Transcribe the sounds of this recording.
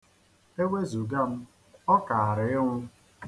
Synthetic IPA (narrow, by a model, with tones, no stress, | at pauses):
e˦wʷe˦zu˨ɡa˦˨m̩˦ | ɔ˦ka˨a˨ɾɪ˨ɪ˦ŋʷʊ˦